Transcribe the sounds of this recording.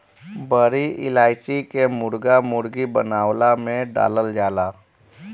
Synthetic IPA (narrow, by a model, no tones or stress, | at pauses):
bəɾiʔɪ̰laːɪt͡ʃikemʊɾɡamʊɾɡibə̰naːwlamẽɖa̰ːləld͡ʒaːlaː